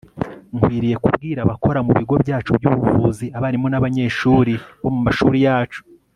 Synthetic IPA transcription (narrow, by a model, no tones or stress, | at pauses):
ŋkwiːɾije̞kubɡiːɾaβako̞ɾamuβiɡo̞bɟaːt͡ʃubjuːβuvuːziaβaɾimo̞naβaɲe̞ːʃuːɾiβo̞mumaʃuɾijaːt͡ʃu̥